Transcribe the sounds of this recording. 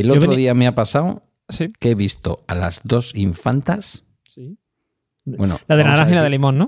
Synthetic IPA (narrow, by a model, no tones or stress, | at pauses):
elot̪ɾoiameapasaw | sikeβist̪o̞alazðo̞siɱfant̪as | i | we̞no̰laðelaahilaðelimõnːõ